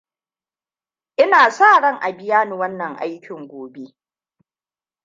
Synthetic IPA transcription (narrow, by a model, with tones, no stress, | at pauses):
ʔɪ˦naː˨saː˦˨ɽɐ˦ŋʔa˨bɪ˦jaː˦ni˨wɐ˦nːɐ˨ŋʔa̰˦jkʲɪ˨ŋɡʷoː˨be˦